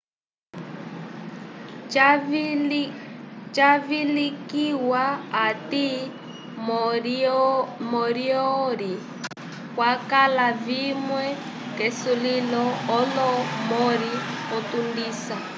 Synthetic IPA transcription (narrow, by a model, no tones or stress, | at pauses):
t͡ʃavilikiwaːti | mɔɾiɔɾi | kwakalavimwɛ | kɛsulilɔːlɔmɔɾiɔt̪undiːsa